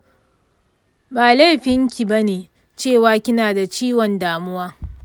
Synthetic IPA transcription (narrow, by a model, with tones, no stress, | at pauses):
baː˨la˦jɸɪ˦ŋkʲi˨ba˦neː˨ | t͡ʃeː˦˨waː˦kʲɪ˦naː˨da˨t͡ʃiː˦wɔ˨ndaː˨mʊ˦waː˦